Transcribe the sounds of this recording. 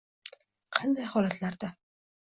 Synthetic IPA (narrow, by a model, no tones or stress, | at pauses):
qʰɑnd̪ajhɒlat̪laɾd̪a